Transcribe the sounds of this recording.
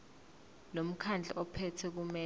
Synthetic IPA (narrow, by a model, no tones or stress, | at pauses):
lom̩kʰand͡ɮʱɛ̰ʔɔpʰɛtʰɛk̬umɛ